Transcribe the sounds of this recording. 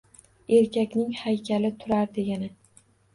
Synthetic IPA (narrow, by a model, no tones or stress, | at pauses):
e̞ɾkʲʰakʲnɪŋhajkʲʰalɪt̪ʰʊɾaɾd̪e̞ɡʲanɪ